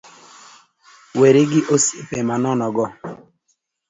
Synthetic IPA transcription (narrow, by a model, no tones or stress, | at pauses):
weɾɪɡɪʔosipemanɔnɔɡɔ